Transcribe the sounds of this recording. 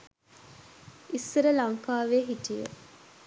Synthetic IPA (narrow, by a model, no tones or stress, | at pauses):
isːəɾəlaŋkaːʋeːɦiʈijə̰